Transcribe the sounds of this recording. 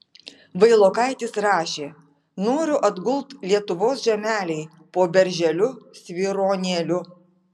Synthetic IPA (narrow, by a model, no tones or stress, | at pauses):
ʋɐɪlˠoːkɐɪt̪ʲɪsɾɑːʃʲeː | noːɾʲʊʔɐd̪ɡʊlˠt̪lʲiɛt̪ʊʋoːsʒʲɛmʲæːlʲɛɪ | poːbʲɛɾʲʒʲɛlʲʊsʲʋʲiɾoːnʲeːlʲʊ